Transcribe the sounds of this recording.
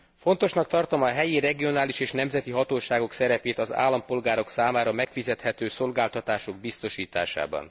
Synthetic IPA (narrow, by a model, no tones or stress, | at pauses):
fo̞nt̪o̞ʃnɒk̚t̪ɒrt̪o̞mɒɦɛjirɛɡio̞naːliʃeːʃnɛmzɛt̪iɦɒt̪oːʃaːɡo̞ksɛɾɛpeːt̪ɒza̰ːlːɒmpo̞lɡaːɾo̞ksaːmaːɾɒmɛkfizɛt̪hɛt̪øːso̞lɡaːlt̪ɒt̪aːʃo̞ɡ̚bist̪o̞ʃiːt̪a̰ːʃa̰ːbɒ̰n